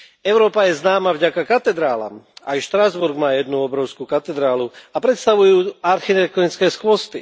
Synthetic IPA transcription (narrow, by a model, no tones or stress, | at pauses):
ɛʊɾɔːpajɛznaːmavɟakakat̪ɛd̪ɾaːla̰majʃt̪ɾazbuɾɡmaːjɛd̪nuɔbɾɔʊskuːkat̪ɛd̪ɾaːluapɾɛt̪st̪aʋujuːaɾxit̪ɛk̚t̪ɔnit͡skɛːskʊɔst̪i